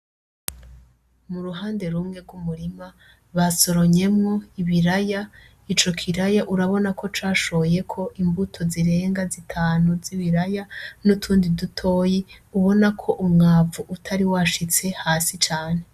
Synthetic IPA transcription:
muɾuɦaːnde̞ɾumŋe̞ɾɡwumuɾima | βaso̞ɾo̞ɲe̞mŋo̞iβiɾaja | it͡ʃo̞kʰiɾajaʔuɾaβo̞nakʰo̞t͡ʃaːʃo̞je̞kʰo̞ʔimbutʰo̞ziɾe̞ːŋɡazitʰaːnuziβiɾajanutʰuːndidutʰo̞ːjeuβo̞nakʰo̞ʔumŋaːvuʔutʰaɾiwaʃit͡se̞haːsit͡ʃaːne̞

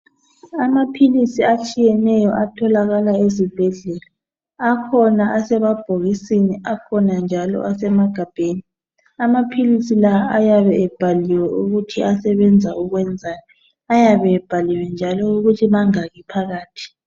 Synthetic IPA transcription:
amapʰilisiat͡ʃʼijɛnɛjɔʔatʰɔlaɣalaezib̥ʱɛɮɛla | akʰɔnaʔasɛβab̥ʱoɣisiniakʰɔnand͡ʒʱalɔ̰ʔasɛmaɡ̥ʱab̥ʱeːni | amapʰilisilaajaβɛːb̥ʱaliwɛʔuɣutʰiasɛβɛnd͡zʱauɣwɛnd͡zʱaːjɔ | ajaβɛb̥ʱaliwɛnd͡ʒʱalɔuɣutʰiβaŋaɣipʰaɣaːtʰi̥

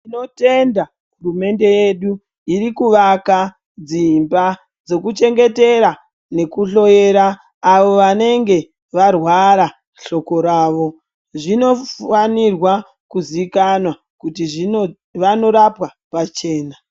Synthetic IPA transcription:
ino̞te̞nda | ɦurume̞nde̞je̞ɗu | iɾikuʋaka | d͡zimba | d͡zo̞kut͡ʃe̞ŋɡe̞te̞ɾa | ne̞kuɬo̞je̞ɾaː | ʋo̞ʋane̞ŋɡe̞ | ʋarwaɾa | ɬo̞ko̞ɾaːʋo̞ | ʐino̞anirwa | kuzikanwa | kutiʐino | ʋano̞ɾapwa | pat͡ʃe̞ːna

